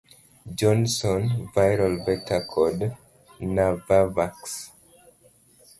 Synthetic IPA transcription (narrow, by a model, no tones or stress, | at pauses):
d͡ʒɔ̃nsɔ̃nvajɹalvɛk̚tʰakʰɔd | navavaks